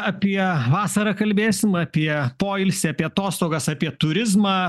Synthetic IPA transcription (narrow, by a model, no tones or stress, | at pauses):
ɐpʲiɛʋɑːsɐɾɐkɐlʲbʲeːsʲɪmɐpʲiɛpoːɪlʲsʲɛɐpʲiɛɐt̪oːst̪oːɡɐsɑːpʲiɛt̪ʊɾʲɪzmɑː